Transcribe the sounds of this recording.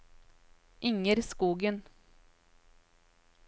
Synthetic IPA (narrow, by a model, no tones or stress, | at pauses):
ʔɪŋəɾskuːɡən